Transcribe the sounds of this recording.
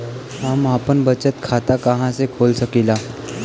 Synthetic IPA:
ɦamapənbət͡ɕət̪̚kʰat̪akaɦãsekʰolsəkila

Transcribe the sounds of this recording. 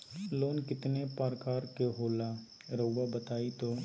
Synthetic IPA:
loːnkɪt̪nepaːɾkaːɾkeɦoːla | ɾəwʋabət̪aːit̪oː

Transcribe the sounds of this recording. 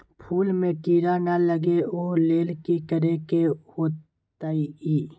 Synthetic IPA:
pʰuːlmẽʈiːɾanaləɡeoːleːlkikəɾekehoːt | t̪aiiː

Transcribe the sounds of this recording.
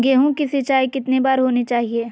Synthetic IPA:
ɡeɦũkisit͡ʃaːikɪt̪nebaːɾɦoːnet͡ʃaːɦieː

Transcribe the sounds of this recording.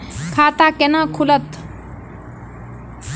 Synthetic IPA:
kʰaːt̪aːkenãkʰulɐt̪

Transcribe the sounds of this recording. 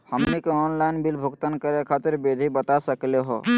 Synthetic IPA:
həmnikeɔnlainbilbʱukt̪ənkəɾekʰat̪əɾbed̪ʱibət̪asəkleɦo̰

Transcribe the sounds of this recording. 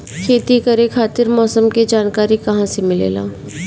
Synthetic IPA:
kʰeːt̪ikɐɾekʰaːt̪ɪɾmɔːsəmked͡ʒaːnkaːɾikɐɦãsemɪlḛːla̰ː

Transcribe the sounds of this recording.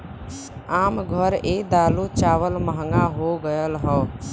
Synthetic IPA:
aːmɡʱəɾeːd̪aːlut͡ʃaːʋəlməɦəŋɡaɦoɡəjəlɦɔː

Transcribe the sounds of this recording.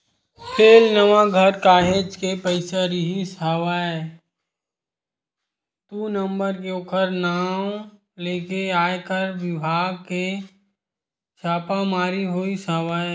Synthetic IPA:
pʰeːlnəʋãɡʱəɾkaːɦed͡ʒkepəɪsaɾiɦisaːʋaːɛ | t̪uːnə̃mbəɾkeoːkʰəɾnaː | leːkeaːekəɾʋɪbʱaːɡ̚ke | t͡ʃʰaːpamaːɾiɦoːisaːʋaːe

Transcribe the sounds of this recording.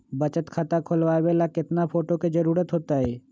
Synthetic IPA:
bət͡ʃət̪kʰat̪akʰʊlʋaːʋeːlakɪt̪napʰoːʈoked͡ʒɐɾuːɾət̪ɦoːt̪aɦɛː

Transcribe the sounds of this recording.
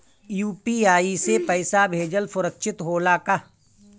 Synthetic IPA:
juːpiːaːisepɐɪsabʱeːd͡ʒəlfʊɾəkʃʰɪt̪ɦoːlaka

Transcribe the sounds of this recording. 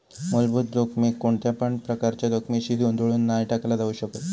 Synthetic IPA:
molbuːt̪ɾokmekoɳt̪japəɳpɾəkaɾt͡ɕjad̪okmiɕid̪ʱiond̪ʱuɭuːnːajʈaklad̪aʋuːɕəkət̪

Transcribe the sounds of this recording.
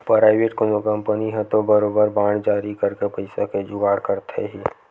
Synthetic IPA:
pɾaːɪʋeːʈkõnokə̃mpəniɦɛt̪obəɾoːbəɾbaːɽd͡ʒaːɾikɐɾkepəɪsaked͡ʒʊɡaːɽkəɾt̪ʰḛɦiː

